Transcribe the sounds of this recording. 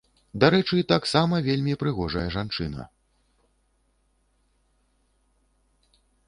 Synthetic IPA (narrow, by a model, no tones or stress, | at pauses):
d̪aɾɛt͡ʂɨt̪aksamɐvʲelʲmʲipɾɨɣɔʐɐjɐʐant͡ʂɨnɐ̰